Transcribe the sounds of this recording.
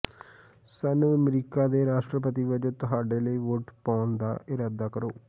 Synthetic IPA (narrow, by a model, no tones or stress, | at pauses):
sanũːəmɾiːkaːd̪eːɾaːʃʈɾəpət̪iːʋəd͡ʒoːt̪ʊɦaːɖeːləiːʋoːʈpaːnd̪a̰ːʔɪɾaːd̪aːkəɾoː